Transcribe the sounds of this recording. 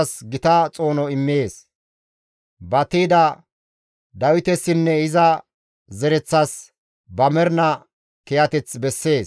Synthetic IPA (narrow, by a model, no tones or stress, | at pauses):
sɡɪt̪ɐt͡sʼo̞ːnɔɪmːeːs | bɐt̪iːd̪ɐ | d̪ɐwɪt̪ɛsːɪnːɛɪzɐ | zɛɾɛt͡sːɐs | bɐmɛɾnɐ | kɛjɐt̪ɛt͡sbɛsːe̞ːs